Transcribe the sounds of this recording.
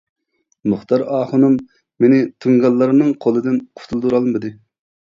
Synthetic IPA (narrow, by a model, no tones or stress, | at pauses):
mʊχt̪ɑɾɑːχʊnumː | enɪt̪ʰuŋɡɑlˠːɑɾɨmnɨŋqʰolˠɨd̪ɨnqʰʊ̥t̪ʰulˠd̪uɾɑlˠmɨd̪ɨ